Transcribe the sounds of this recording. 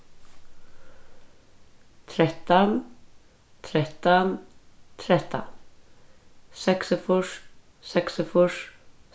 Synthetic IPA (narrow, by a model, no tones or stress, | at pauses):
t̪ʰɾɛt̪ːɔn | t̪ʰɾɛt̪ːɔnt̪ʰɾɛt̪ʰːɔ̰n | sɛksəfʊʂ | sɛksəfʊʂ